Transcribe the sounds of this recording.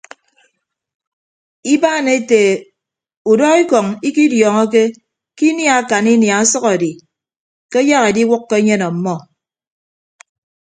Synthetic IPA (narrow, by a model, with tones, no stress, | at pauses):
i˦baː˦˨ne˦te˨ | u˨dɔ˦i˦kɔ˨ŋi˦ki˦djɔː˨ŋɔ˦k̬e˦ | ki˦nja˨a˦˨ka˨ni˦nja˨a˦sʌ˦kɔ˨di˨ | ke˦ja˦ɣe˨di˦wʊ˦kːe˦ɲe˦nɔ˨m̩˨˦mɔ˦